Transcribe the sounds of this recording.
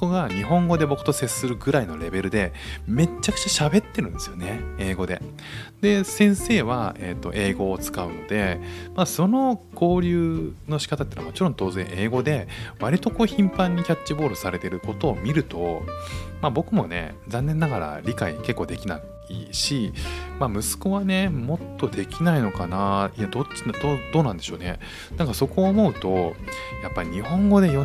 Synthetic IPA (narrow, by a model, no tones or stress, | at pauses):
oko̞ɡaɲ̟iɦõ̞ŋɡo̞d̪e̞bo̞kɯ̟t̪o̞seɨ̥sɨɾɯ̟ɡɯ̟ɾaino̞ɾe̞be̞ɾɯ̟d̪e̞me̞t͡ɕːakɯ̟̥t͡ɕaɕabe̞t̪ːe̞ɾɯ̟̃nd̪e̞sɨjo̞ne̞e̞ːɡo̞d̪e̞̰ | d̪̥e̞sẽ̞ɰ̃se̞ːβae̞t̪ːo̞ʔe̞ːɡo̞ːt͡sɨ̥kaɯ̟̰no̞d̪e̞maso̞no̞ko̞ːɾʲɯːno̞ɕi̥kat̪at̪eiaa̰mo̞t͡ɕiɾõ̞nt̪o̞ːzẽ̞̰ɰ̃ʔe̞ːɡo̞d̪e̞βaɾʲit̪o̞ko̞ːçĩmpãɲ̟ːikʲat͡ɕt͡ɕːibo̞ːɾɯsaɾe̞t̪e̞ɾɯ̟ko̞t̪o̞ːmʲiɾɯ̟t̪o̞mabo̞kɯ̟mo̞̰ne̞̰ | zãnːẽ̞nːaɡaɾa̰ɾʲikaḭke̞kːo̞ːd̪e̞kʲina̰ | ḭɕimaːmɯ̟sɨ̥ko̞βane̞mo̞t̪ːo̞d̪e̞kʲinaino̞kanaiad̪od̪od̪o̞ːnãnd̪e̞ɕo̞ːnḛ | nãŋkaso̞ko̞ːmo̞ɯ̟t̪o̞ | japːaɾʲiɲ̟ihõ̞ŋɡo̞d̪e̞jo